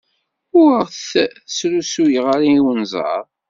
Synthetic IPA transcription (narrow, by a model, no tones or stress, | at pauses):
ʊɾəʁθθsɾusujəʁaɾiwənzˤɑ̰ɾˤ